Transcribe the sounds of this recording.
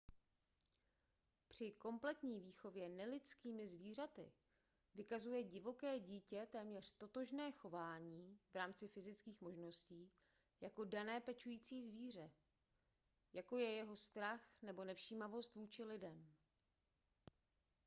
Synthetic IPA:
pr̝̥ɪko̞mplɛt̪ɲiːviːxo̞vjɛnɛlɪt͡skiːmɪzviːr̝at̪ɪ̰ | vɪkazujɛɟɪvo̞kɛːɟiːcɛt̪ɛːmɲɛr̝̥t̪o̞t̪o̞ʒnɛːxo̞vaːɲiːvɾaːmt͡sɪfɪzɪt͡skiːxmo̞ʒno̞sciː | jako̞danɛːpɛt͡ʃujiːt͡siːzviːr̝ɛ | jako̞jɛjɛɦo̞st̪ɾaxnɛbo̞nɛfʃiːmavo̞st̪vuːt͡ʃɪlɪdɛm

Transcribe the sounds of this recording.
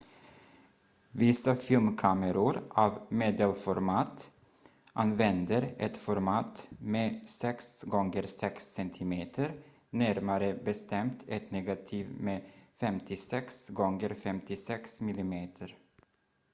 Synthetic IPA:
vɪsafɪlmkʰaməɾʊɾʔavmeːd̪əlfɔɾmɑːt̪ | ʔanvɛnd̪əɾʔɛt̪fɔɾmɑːt̪meːsɛksɡɔŋɡəɾsɛksɛnt̪ʰɪmeːt̪ʰəɾ | næɾmaɾəbɛst̪ʰɛmt̪ʰɛt̪nɛɡat̪ʰiːvmeːfɛmt̪ʰɪsɛksɡɔŋɡəɾfɛmt̪ɪsɛksmɪlɪmeːt̪ʰəɾ

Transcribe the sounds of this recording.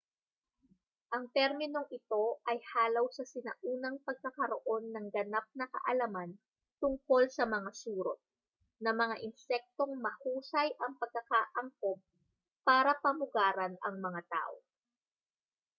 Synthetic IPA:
ʔɐŋt̪ɛɾmɪno̞ŋʔɪt̪o̞ʔɐjhaːlɐwsɐsɪnɐ̰ʔuːnɐŋpɐɡ̚kɐkɐɾo̞ʔo̞nːɐŋɡɐnap̚nɐkɐ̰ʔɐlaman | t̪ʊŋko̞lsɐmɐŋasuːɾo | nɐmɐŋaʔɪnsɛk̚t̪o̞ŋmɐhuːsɐjʔɐŋpɐɡ̚kːɐkaʔɐŋkop̚ː | aːɾɐpɐmʊɡaːɾɐnɐŋmɐŋat̪a̰ːʔo

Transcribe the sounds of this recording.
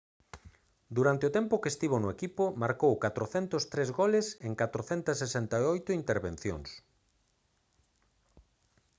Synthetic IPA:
d̪uɾant̪eʊt̪ɛmpʊkest̪iβ̞onʊekipʊmaɾkowkat̪ɾoθɛnt̪ost̪ɾezɣolɪseŋkat̪ɾoθɛnt̪ɐsesent̪aeojt̪ʊint̪eɾβẽn̟θjo̰ŋs

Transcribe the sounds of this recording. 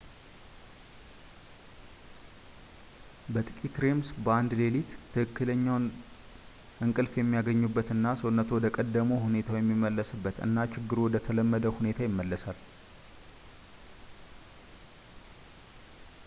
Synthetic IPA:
bət̪ʼɨkʼit̪ɾe̞msbəand̪le̞lit̪t̪ʰːɨhɨkːɨləɲːaw | ʔɨŋkʼɨlfjɛmːijaɡəɲːubːət̪ɨnːasownːət̪ʰowɔd̪əkʼəd̪ːəmoɦune̞t̪ʰawjɛmːimːəlːəsɨbːət̪ɨ̰nːat͡ʃɪɡːɨɾwɔd̪ət̪ʰələmːəd̪əhune̞t̪ʰajɪmːəlːəsal

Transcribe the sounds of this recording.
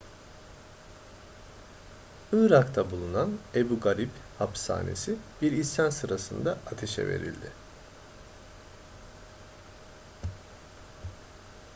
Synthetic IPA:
ɯːɾakt̪ʰabulˠunanebuɡaɾiphapsa̰ːne̞̰sibiɾisansɯɾasɯnd̪aat̪ʰe̞ʃɛ̰ve̞̰ɾḭlʲd̪ɪ

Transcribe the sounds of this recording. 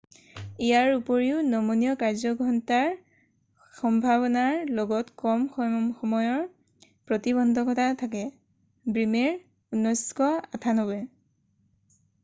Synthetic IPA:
ijaɹupoɹiʊnɔmunijɔkaɹzɔɡɹɔntaɹ | xɔmbʱabɔnaɹloɡɔtkɔmxxɔmɔjɔɹ | pɹɔtiβɔndʱɔkɔtʰatʰakɛ | bɹimeɹ | unːɔjskɔatʰanobɛ

